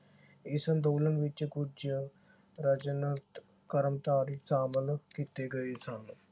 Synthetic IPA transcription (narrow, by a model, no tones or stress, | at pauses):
ɪsənd̪oːlənʋɪt͡ʃkʊd͡ʒə | ɾəd͡ʒnət̪ | kəɾəmt̪aːɾisaːməlkiːt̪eɡɐesən